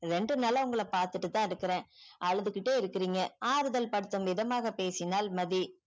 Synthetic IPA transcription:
ɾɛɳɖrɯnɐlɐʊŋɡɐɭɐpaːɾt̪ɯʈːɯt̪ːãːɪɾɯkːɪɾẽːʔɐlɐðɯkɪʈːeːɪɾɯkːɪɾiːŋɡɐaːɾɯðɐlpɐɽɯt̪ːɯmʋɪðɐmaːɣɐpeːsɪnaːlmɐði

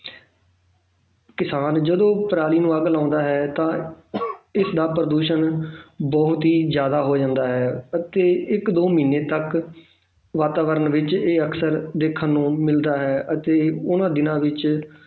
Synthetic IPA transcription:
kɪsaːnd͡ʒəd̪õːpɾaːliːnũːəɡlãːnd̪aːɦɛːt̪ãː | ɪsd̪aːpɾəd̪uːʃənbɔːt̪ɦiːzjaːd̪aːɦoːd͡ʒãːnd̪aːɦɛːət̪eːɪkd̪oːmiːneːt̪ək | ʋaːt̪aːʋəɾənʋɪt͡ʃeːəksəɾd̪eːkʰːənːũːmɪld̪aːɦɛːʔət̪eːʊnãːd̪ɪnãːʋɪt͡ʃ

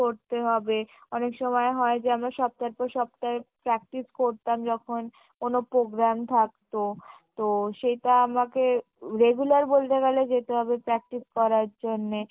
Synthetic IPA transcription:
oɾt̪eɦɔbeɔnekʃɔmɔeɦɔed͡ʑeamɾaʃɔb̚t̪aɾpɔɾʃɔbt̪aepɾɛk̚ʈiskoɾt̪amd͡ʑɔkʰon | konopɾoɡɾamt̪ʰakt̪ot̪oʃejʈaamake | ɾeɡulaɾbolt̪eɡaled͡ʑet̪eɦɔbepɾɛk̚ʈiskɔɾaɾd͡ʑonːe

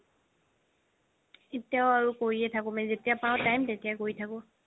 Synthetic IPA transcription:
etijaʊaɹukoɹiɛtʰakʊ̃mɛzetijapãʊ̃tajmtetijakoɹitʰakʊ̃

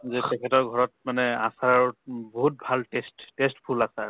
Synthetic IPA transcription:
zɛtɛkʰɛtɔɹɡʱɔɹɔtmanɛasaɹaɹboɦut̚bʱaltestːestpʰulasaɹ

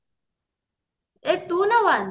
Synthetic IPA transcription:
eʈunɐwan

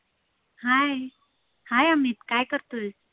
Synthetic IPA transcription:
haj | hajamiːt̪kajkəɾt̪oj

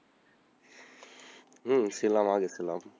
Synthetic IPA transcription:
silamaɡesilaːm

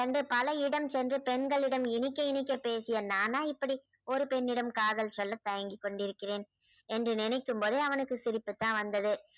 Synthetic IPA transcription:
ɐɳɖɯpɐlɐɪɽɐmsɛndrɯpɛnɡɐɭɪɽɐmɪnɪkːɐɪnɪk̬ːɐpːeːsɪjɐnaːnaːɪpːɐɽi | ɔɾɯpɛnːɪɽɐmkaːðɐlt͡ʃɔlːɐt̪ːɐjɐŋɡɪkːɔɳɖɪɾɯkːɪreːn | ɛndrɯnɪnɐɪkːɯmpoːðɯɐʋɐnɯkːɯsɪɾɪpːɯt̪ːãːʋɐnd̪ɐðɯ

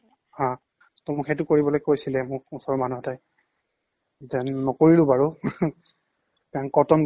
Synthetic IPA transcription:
hã | tɔmʊkxetʊkoɹibɔlojkojsilɛmʊkusɔɹɔmanuɦɔtaj | zɛnːɔkoɹilʊbaɹu | pɛãŋkɔtɔm

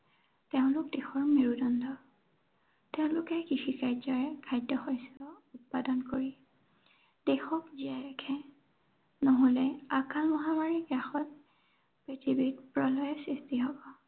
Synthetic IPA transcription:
teʊ̃lʊkdexɔɹmeɹudɔndɔ | teʊ̃lʊkɛkixikajdzɔɹɛkʰajdjɔxɔjsɔut̚padɔnkoɹi | d̥exɔkziaɹɛkʰɛ | noɦolɛakʰalmɔɦamaɹiɡɹaxɔt̚ | pɹetʰibitpɹɔlɔjɔsɹistiɦɔbɔ

